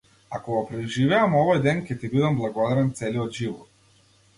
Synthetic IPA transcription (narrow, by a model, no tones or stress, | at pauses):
akɔɡɔpɾɛʒivɛamɔvɔjd̪ɛncʲɛt̪ibid̪amblˠaɡɔd̪aɾɛnt̪sɛliɔd̪ʒivɔt̪̚